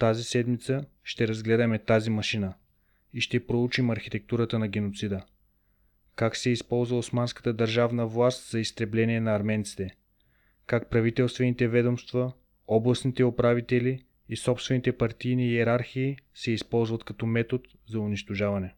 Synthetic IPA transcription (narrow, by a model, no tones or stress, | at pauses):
t̪azisɛd̪mit̪sə | ʃt̪ɛɾɐzɡlɛd̪əmɛt̪azimɐʃinə | iʃt̪ɛpɾout͡ʃimɐɾxit̪ɛk̚t̪uɾət̪ənɐɡ̟ɛnot̪sid̪ə | kaksɛispɔlˠzvəosmanskə̥t̪əd̪ɐɾʒavnəvlˠast̪zɐist̪ɾɛblɛniɛnɐːɾmɛnt̪si̥t̪ɛ | kak̚pɾɐvit̪ɛlˠst̪vɛnit̪ɛvɛd̪omst̪vɐ | ɔblˠɐsnit̪ɛopɾavit̪ɛliː | sɔpst̪vɛnit̪ɛpɐɾt̪ijniɛɾaɾxiːsɛispɔlˠzvɐt̪kɐt̪ɔmɛt̪ot̪ | zɐʊniʃt̪oʒavɐnɛ